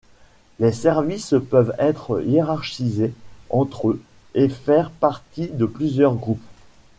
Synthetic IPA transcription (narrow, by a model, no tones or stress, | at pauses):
lesɛʁvispœvɛt̪χəjeʁaʁʃizeɑ̃t̪χø | efɛʁpaʁt̪id̪əplyzjœʁɡʁup